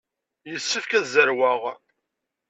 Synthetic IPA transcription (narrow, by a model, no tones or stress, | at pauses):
jəsːəfkæðzəɾwaʁ